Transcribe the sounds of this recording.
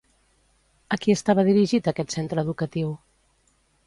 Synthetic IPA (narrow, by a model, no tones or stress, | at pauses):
əkiəst̪aβəð̞iɾiʒit̪əkɛt̪sent̪ɾəːðukət̪iw